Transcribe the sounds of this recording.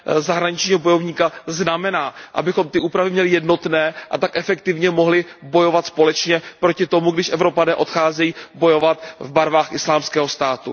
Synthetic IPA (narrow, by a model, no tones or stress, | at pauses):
zaɦɾaɲɪt͡ʃɲiːɦo̞bo̞jo̞vɲiːkaznamɛnaːʔa̰bɪxo̞mt̪ɪʔuːpɾavɪmɲɛlɪjɛdno̞t̪nɛːʔa̰t̪akʔɛfɛk̚t̪ɪvɲɛmo̞ɦlɪbo̞jo̞vat̪spo̞lɛt͡ʃɲɛpɾocɪt̪o̞muɡdɪʃʔɛvɾo̞panɛːʔo̞t̪xaːzɛjiːbo̞jo̞vat̪vbaɾvaːxʔɪslaːmskɛːɦo̞st̪aːt̪ṵ